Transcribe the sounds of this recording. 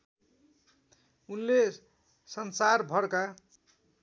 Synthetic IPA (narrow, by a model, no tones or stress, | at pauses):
unle | sʌnsarbʱʌɽka